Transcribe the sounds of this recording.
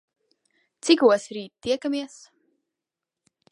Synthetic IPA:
t̪sikuɔsɾiːt̪t̪ːiɛkamiɛs

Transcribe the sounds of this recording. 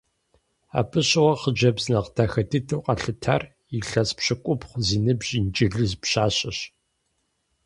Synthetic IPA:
a̰ːpʰɨɕʼɪwɐχəd͡ʒɐbznɐqtʰaːxɐtʰɨtʰɨwqʼɐɬɨtʰa̰r | iɬɐspɕɪkʷʼʊpχʷziːnɨbʑint͡ʃʼiɮɨzpɕaːɕʼɐɕ

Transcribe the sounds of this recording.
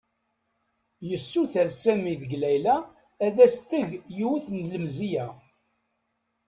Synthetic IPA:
jəsːuθəɾsæmiðəɡlæjlæː | ðæst̪əʝjuwuθnləmzijæ

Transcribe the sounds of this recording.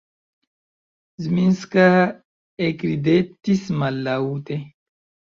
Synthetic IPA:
zminska | ekɾid̪et̪ːismalːaut̪e

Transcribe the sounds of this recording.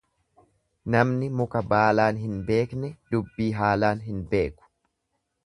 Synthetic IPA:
nɐmnɪmʊkɐbaːlaːnɦɪnbe̞ːknɛd̪ʊbːiːɦaːlaːnɦɪnbe̞ːkʊ̥

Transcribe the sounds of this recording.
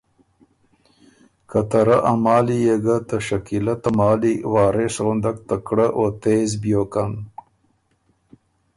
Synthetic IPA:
kat̪ɐɾaʔamɑːlijeɡat̪əʃakilat̪amɑːliwɑːɾesɣʊnd̪ak̚t̪akɽəʔot̪eːzbjoːkan

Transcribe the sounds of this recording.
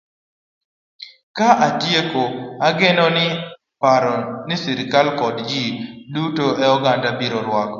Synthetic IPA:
kaʔatjekoaɡɪnɔnɪ | paɾɔnɪsiɾkalkɔdd͡ʒidutoʔɛɔɡandabiɾɔɾwɔk

